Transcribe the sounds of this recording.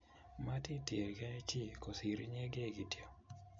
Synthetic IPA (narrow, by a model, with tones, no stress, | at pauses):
ma˦ti˦tje˨ka˦t͡ʃi˦˨ko˨si˨ɾi˦ɲe˦ɡe˦˨ɡi˨tjo˦˨